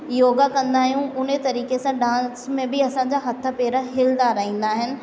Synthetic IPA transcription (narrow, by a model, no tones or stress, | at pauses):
joːɡakɐ̃nd̪aːɦijũʔʊn̤ət̪ɐɾiːkesãɖãːsmẽbɪɐsãːɲd͡ʑaːɦɐt̪ʰə̆peːɾəɦɪld̪aːɾɐɦĩːn̆d̪aːɦɪnɪ̆